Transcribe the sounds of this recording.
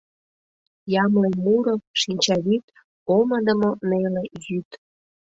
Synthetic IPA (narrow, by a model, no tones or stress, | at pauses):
jɑmlemuɾoʃinʲt͡ɕɑβit̪ | oməd̪əmonelejyt̪